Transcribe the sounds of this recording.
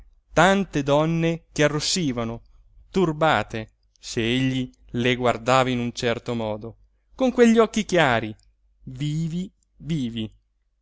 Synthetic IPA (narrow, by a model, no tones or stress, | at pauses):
t̪ant̪ed̪ɔnːekearːosːiːvano | t̪urbaːt̪e | seeʎːi | leɡward̪aːvainunt͡ʃɛrt̪omɔːd̪o | koŋkweʎːiɔkːikjaːɾi | viːvi | viːvi